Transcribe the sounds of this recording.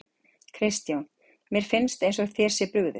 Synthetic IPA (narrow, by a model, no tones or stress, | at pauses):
kʰɾɪst̪jawn | mjɛɾ̥fɪnst̪ẽjns̬ɔθjɛːɾ̥sɪpɾʏɣðʏ̰